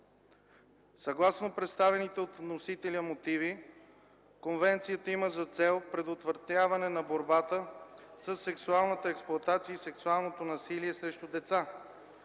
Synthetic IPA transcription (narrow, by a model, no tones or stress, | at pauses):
sɐɡlˠasnopɾɛt̪st̪avɛnit̪ɛot̪vnosit̪ɛliəmot̪ivi | konvɛnt̪sijət̪əiməzɐt̪sɛlˠpɾɛd̪ot̪vəɾt̪avɐnɛnɐboɾbat̪əsəsːɛksualˠnət̪əɛksplˠʊɐt̪at̪siəisɛksualˠnot̪onɐsiliɛsɾɛʃt̪ʊd̪ɛt̪sa